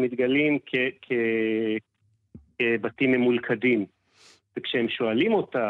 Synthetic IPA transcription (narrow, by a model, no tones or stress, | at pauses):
mit̪ɡalimkʰekʰe | batimemulkʰadim | vekʃehemʃoalimo̞ta